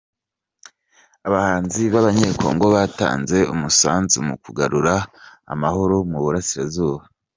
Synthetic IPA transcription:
aβahaːnziβaβaɲeːkʰo̞̰ːŋɡo̞βaːta̰ːnze̞umusa̰ːnzumṵkuɡaɾuɾa | a̰maɦo̞ɾomuβuɾasiɾazuːβa

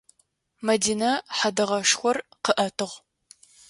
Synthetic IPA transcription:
mɐdiːnɐħadɨʁɐʂxʷɔrqəʔɐtʰɨʁ

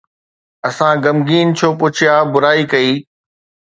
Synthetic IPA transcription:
ɐsãɡɐmɡiːnt͡ɕʰoːpʊt͡ɕʰɪjaːbʊɾaːikɐiː

